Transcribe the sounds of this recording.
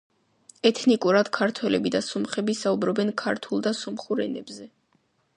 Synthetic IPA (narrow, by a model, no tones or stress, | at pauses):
ɛt̪ʰnikʼuɾad̪̥kʰaɾt̪ʰwɛlɛbid̪asɔmχɛbisaubɾɔbɛnkʰaɾt̪ʰulˠd̪asɔmχuɾɛ̰nɛbzɛ